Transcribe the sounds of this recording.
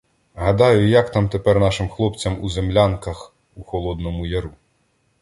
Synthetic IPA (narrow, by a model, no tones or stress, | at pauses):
ɦɐd̪ɑjʊjɐkt̪ɑmt̪epɛrnɑʃɪmxlˠɔpt͡sʲɐmuzemlʲankɐx | uxɔlˠɔd̪nɔmʊjɐɾu